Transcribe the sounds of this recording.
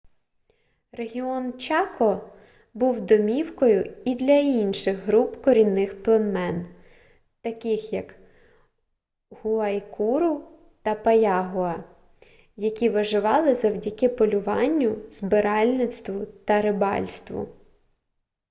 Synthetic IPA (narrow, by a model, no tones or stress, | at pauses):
reɦʲiɔnt͡ʃɑkɔ | buwd̪ɔmʲiwkɔjʊid̪lʲɐinʃɪxɦɾupkɔɾʲinːɪxplˠɐnmɛn | t̪ɐkɪxjɐk | huɐjkʰuɾʊ | t̪ɐpɐjɑɦʊɐ | jɐkʲiʋɐʒɪʋɑlˠɪzɐwdʲɐkɪpɔlʲʊʋɑnʲːʊzbɪɾɑlʲnɪt̪st̪ʋʊt̪ɐɾɪbɑ̰lʲst̪ʋʊ̰